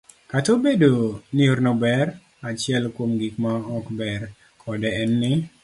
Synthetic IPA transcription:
katobedonɪoɾnobɛr | at͡ʃɪɛlkwomɡikmaɔkbɛr | kʰɔdɛɛnːɪ

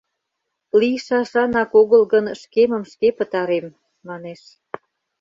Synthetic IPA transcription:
liʃɑʃɑnɑkoɣəlɣənʃkeməmʃkepət̪ɑɾemː | ɑneʃ

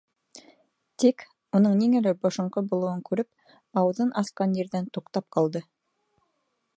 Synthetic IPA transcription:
t̪ik | unɤɴniŋɘ̆lɘbŏʃŏɴqɤbulˠŭwɤŋkʉɾɘp̚ | ɑwɤ̆ðɤnʔɑsqɑnjĕɾðænt̪uqt̪ɑp̚qʰɑlˠd̪ɤ

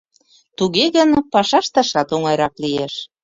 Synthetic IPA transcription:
t̪uɣeɣənpɑʃɑʃt̪ɑʃɑt̪oŋɑjɾɑklijeʃ

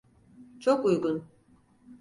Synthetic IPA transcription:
t͡ʃʰokujɡun

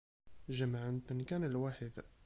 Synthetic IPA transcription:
ʒəmaʕənt̪ənkænəlwaħəd̪

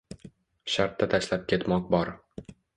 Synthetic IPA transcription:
ʃaɾt̪ːat̪ʰaʃlap̚kʲʰe̞t̪mɒq̚bɒɾ

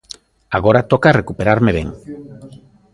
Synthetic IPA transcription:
aɣ̞o̞ɾat̪okare̞kupeɾaɾmeβeŋ

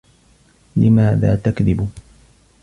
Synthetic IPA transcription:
lɪmaːða̰ːt̪akðɪb

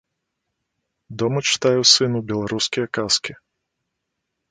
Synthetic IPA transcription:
d̪ɔmɐt͡ʂɨ̥t̪ajɛsɨnubʲɛlˠaɾuskʲijɐkaskʲi

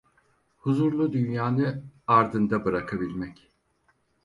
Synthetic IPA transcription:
huzuɾlˠud̪ynjaːnɯaɾd̪ɯnd̪abɯɾakʰabilʲmɛc

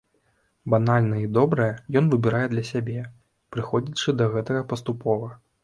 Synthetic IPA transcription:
banalʲnɐid̪ɔbɾɐjɛjɔnvɨbʲɪɾajɛd̪lʲɐsʲabʲɛ | pɾɨxɔd͡zʲit͡ʂɨd̪ɐɣɛt̪ɐɣɐpɐst̪upɔvɐ

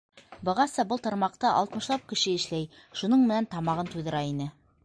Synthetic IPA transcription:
bɤ̆ʁɑsɤbɤlˠt̪ŏɾmɑqt̪ɑʔɑ̰lˠt̪mɤ̆ʃlˠɑp̚kɘ̆ʃɘɘ̆ʃlæj | ʃunɤɴmɘ̆nænt̪ɑmɑʁɤnt̪ujðɤ̆ɾɑinɘ

